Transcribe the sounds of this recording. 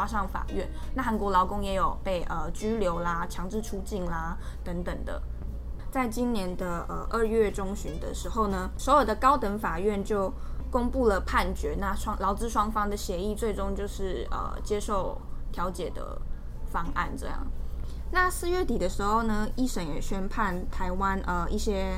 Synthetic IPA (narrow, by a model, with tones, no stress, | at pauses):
a˥ʂɑ˥˩ŋfa̰˨˩ɥɛ˥˨nna˥˩xa˧˥nkwɔ˧˥lɑ˧˥ʊkʊ˥ŋjɛ˧˥jo˨˩ʊpe˥˩ɪʔə˩t͡ɕy˥ljo˧˥ʊla˩t͡ɕʰjɑ˧˥ŋʈ͡ʂɻ̩˥˩ʈ͡ʂʰu˥t͡ɕi˥˩nla˩ | t̪ə˧˥ŋt̪ə˨˩ŋd̪ə̰˦ | t͡sa˥˩ɪt͡ɕi˥nnjɛ˧˦nd̪ə˧ə̰˨˩ʔə˥˧ɥɛ˥˩ʈ͡ʂʊ˥ŋɕy˧˥nd̪ə̰˧˨ʂɻ̩˧˥xo˥˩ʊnə˩swɔ˧˥jo˨˩d̪ə˩kɑ˥ʊt̪ə˧˥ŋfa˨˩ɥɛ˥˧nt͡ɕjo˥˩ʊ | kʊ˥ŋpu˥˩lə˩pʰa˥˩nt͡ɕɥɛ˧˥˦na˥˩ʂwɑ˥ŋlɑ˧˥ʊt͡sɹ̩˥˧ʂwɑ˥ŋfɑ˥ŋd̪ə˨ɕjɛ˧˥i˥˧t͡swe˥˩ɪʈ͡ʂo˥ŋt͡ɕjo˥˧ʊʂɻ̩˥˩ə̰˩t͡ɕjɛ˥ʂo˥˩ʊt̪ʰjɑ˧˥ʊt͡ɕjɛ̰˨˩d̪ə̰˩ | fɑ˥ŋa̰˥˩nʈ͡ʂɤ̰˥˧jɑ̰˥˩ŋ | na˥˧sɹ̩˥˧ɥɛ˥˩t̪i˨˩d̪ə˦ʂɻ̩˧˥xo˥˩ʊnə˩i˥˩ʂə˧˩ŋjɛ˨˩ɕɥɛ˥npʰa˥˩nt̪ʰa˧˥ɪwa˦˥nʔə˩ʔi˥˩ɕjɛ˥